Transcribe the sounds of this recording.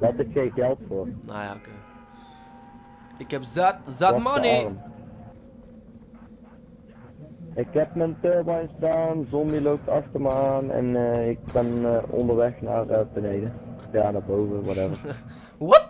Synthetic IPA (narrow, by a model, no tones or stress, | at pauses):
dɑtɪxejnɣɛlˠtfoːrneoke | ɪkɛpzatzamʌniəm | ɪkɦɛp̚məntøbɑjnsdaːnzɔmbilowp̚tɑxtərməaːnɛ̰nɪk̚b̥ɛnɔ̰ndəɹʋɛxna̰ːrəbənejdə | jaːnabowvəʋwɔtɛvər | ɔt